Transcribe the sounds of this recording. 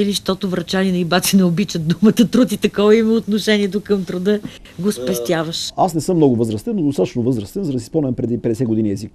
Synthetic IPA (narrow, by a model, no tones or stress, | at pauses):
iliʃt̪ɔt̪ʊvɾɐt͡ʃalinɐibat̪sinɛobit͡ʃət̪̚d̪umət̪ət̪ɾut̪it̪ɐkɔvɐimɐot̪noʃɛniɛt̪ʊkəmt̪ɾʊd̪ɤ | ɡospɛst̪ʲjavəʃasnɛsɤmːnɔɡʊvəzɾəst̪ɛnːod̪ost̪at̪t͡ʃnovɤzɾəst̪ɛnzɐd̪ɐsisponvɛmpɾɛd̪ipɛd̪ɛsɛɡod̪inʲiɛzik